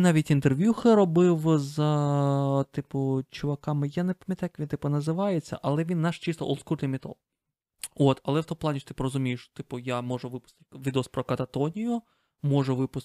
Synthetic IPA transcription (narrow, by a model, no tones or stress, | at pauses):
nɑʋʲitʲint̪erʋʲjuxɪɾɔbɪwz | t̪ɪpʊt͡ʃʊʋɐkɑmɪjanepɐmʲjɐt̪ajɐkʋʲint̪ɪpʊnɐzɪʋɑjet͡sʲːɐ̰ʔɐlˠɛʋʲinːɑʃt͡ʃɪst̪ɔʔɔ̰lˠskut̪ʲlʲɪmʲɪt̪ɔ̰lˠ | ot̪ɐlˠɛwt̪ɔmp̪lˠɑanʲiʃt̪ɪpʊɾɔzʊmʲijɪʃt̪ɪpʊjamɔʒʊʋɪpʊst̪ɪ̥tʲʋʲid̪eɔspɾɔkɐt̪ɐt̪ɔnʲijʊ | mɔʒʊʋɪpʊs